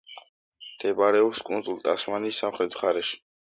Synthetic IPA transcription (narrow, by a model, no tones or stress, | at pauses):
d̪̥ʰɛbaɾɛɔpskʼunsʼulˠt̪ʼa̰smanisːamχɾɛt̪ʰwχaɾɛʃi̥